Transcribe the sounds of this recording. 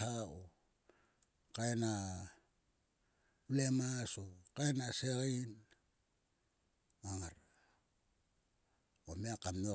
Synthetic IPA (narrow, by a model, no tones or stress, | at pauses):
ao | kajna | lemasokaenaseɾin | maŋaɾ | omiakamo